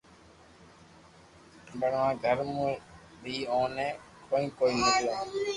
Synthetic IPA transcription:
bəɳʋãːɡʱəɾmũː | bʱiːõːnẽː | koːĩːkoːiːnət̪joː

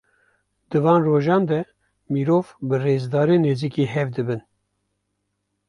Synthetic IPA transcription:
d̪ɨvɑːnroːʒɑːnd̪ɛ | miɾoːvbɨreːzd̪ɑːɾeneːziːkiɦɛvd̪ɨbɨn

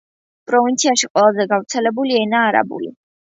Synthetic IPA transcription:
pʼɾɔvint̪sʰiaʃiqʼwɛlˠazɛɡavɾt̪sʰɛlɛbuliɛnaːɾa̰bṵlḭ

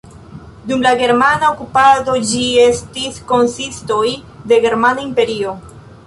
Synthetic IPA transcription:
dumlaɡe̞ɾmanaokupado̞d͡ʒie̞stisko̞nsisto̞j | de̞ɡe̞ɾmanaimpe̞ɾio̞

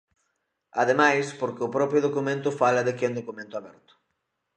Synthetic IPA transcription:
aðemajspoɾkɪʊpɾɔpɾjʊðokumẽnt̪ʊfalɐðɪkẽnd̪okumẽnt̪ʊaβɛɾt̪ʊ̥

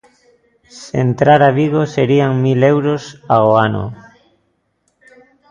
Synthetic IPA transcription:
sḛnt̪ɾaɾaβiɣoseɾiaŋmilewɾosaɣoano̰

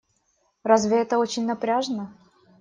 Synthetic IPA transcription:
razvʲɪɛt̪əot͡ɕɪnʲnɐpɾʲaʐnə

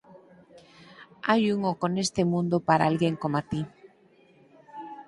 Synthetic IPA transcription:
ajuŋokonest̪emũnd̪opaɾaalɣeŋkomat̪i

